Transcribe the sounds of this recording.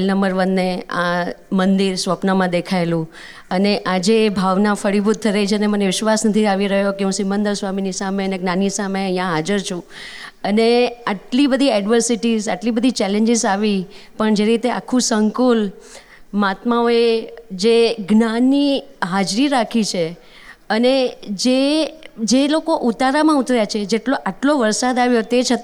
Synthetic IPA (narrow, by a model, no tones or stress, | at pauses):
lnəmbəɾʋənːeamənd̪iɾsʋəpnamãd̪ekʰaelũ | əneʔad͡ʒeːbʱaʋnãfəɽibʱut̪̚ʰːəɾet͡ʃʰeəneməneʋɪʃʋasnət̪ʰiaʋiɾəɦjokeũsimənd̪əɾsʋaminisameəneɡnãnisameəĩjãɦad͡ʒəɾt͡ʃʰũ | əneaʈlibəd̪ʱiɛɖʋəɾsiʈizaʈlibəd̪ʱit͡ʃɛlẽɲd͡ʒɪzaʋipəɳd͡ʒeɾit̪ea̰kʰːũsəŋkul | mat̪maoed͡ʒeɡnanːiɦad͡ʒɾiɾakʰit͡ʃʰe | əned͡ʒe | d͡ʒelokoʔut̪aɾamãut̪ɾjat͡ʃʰed͡ʒeʈloʔaʈloʋəɾsad̪aʋjot̪et͡ʃʰət̪